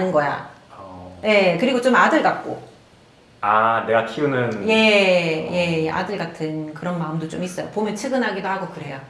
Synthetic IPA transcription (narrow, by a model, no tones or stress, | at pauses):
ɯnɡʌja̰ | je̞kɯɾiɡot͡ɕ͈omadɯɭɡak̚k͈o | ane̞ɡatʰiunɯnje̞je̞jeʔa̰dɯɭɡatʰɯnkɯɾʌnmaɯmdot͡ɕ͈omis͈ʌjo̰pomjʌnt͡ɕʰɯɡɯnɦaɡidohaɡokɯɾe̞jo